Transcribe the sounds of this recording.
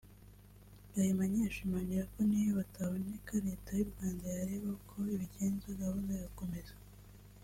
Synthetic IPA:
ajimaɲeʃimaːɲɟiɾako̞nijoβataβonekaɾe̞ːtajuɾɡwaːndajaɾeːβakʰo̞iβiɟe̞ːnzoɡaβonzejako̞me̞za

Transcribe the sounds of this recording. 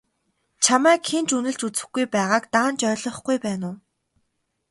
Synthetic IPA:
t͡ɕʰamæːkxʰent͡ɕunɘ̆ɮt͡ɕut͡sɘ̆xɡujpæːʁaːkt̪aːnt͡ɕœːɮɞ̆χɡujpæːnʊː

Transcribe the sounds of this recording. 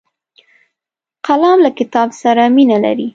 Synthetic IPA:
qalɑmlakɪt̪ɑbsaɾaminala̰ɾi

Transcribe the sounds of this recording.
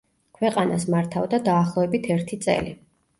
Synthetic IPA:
kʰwɛqʼanasmaɾt̪ʰavd̪ad̪aːχlˠɔɛbit̪ʰɛɾt̪ʰit̪sʼɛ̰li

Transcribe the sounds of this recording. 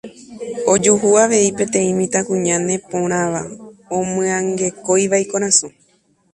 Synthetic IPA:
o̞d͡ʒuɦuaʋe̞ipẽ̞t̪ẽ̞ĩmĩt̪akũɲãnẽ̞põɾ̃ãʋaõmɨ̃ãŋɡe̞ko̞jʋajkoɾ̃ãsu

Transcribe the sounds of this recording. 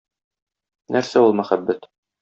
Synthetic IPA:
nʔæɾsæulˠmæχæbːæt̪

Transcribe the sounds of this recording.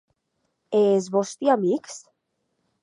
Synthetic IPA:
ezβɔst̪iamiks

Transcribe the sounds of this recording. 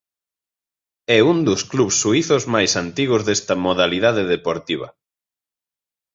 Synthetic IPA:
ɛund̪ʊskluβsːuiθʊzmajsant̪iɣʊzðest̪ɐmoðaliðaðeðepoɾt̪iβ̞ɐ̰

